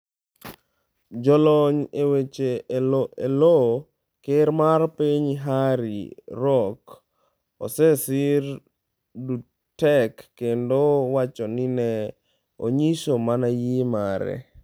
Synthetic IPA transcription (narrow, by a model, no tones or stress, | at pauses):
d͡ʒɔlɔɲewet͡ʃe | elo | keɾmarpiɲɦaɾḭɾɔk | ɔ̰sɛsiɾ | du | tɛkːendowat͡ʃɔninɛ | o̰ɲiʃomanajimaɾɛ̰